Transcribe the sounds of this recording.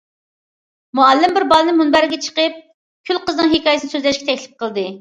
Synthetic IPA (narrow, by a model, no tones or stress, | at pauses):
muɛlːɪmbɪɾbɑlˠɨnɨɪmunbæɾɪɡʲɛt͡ʃʰə̥qəp̚ | kʲʰylqəznɨŋɦekɑːjsnɨsøzlɛʃkʲɛt̪ɛkʲlɪ̥p̚qəlˠd̪ɨ